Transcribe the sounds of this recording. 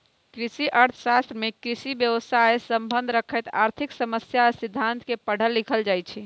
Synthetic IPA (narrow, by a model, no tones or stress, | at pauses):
kɾisiʔəɾt̪ʰəsast̪ɾəmekɾisibjəʋəsajsəmbənd̪ʱɾəkʰəjt̪aɾt̪ʰiksəməsjasid̪ʱːant̪kepəɽ̤əlːikʰəld͡ʒajt͡ʃʰi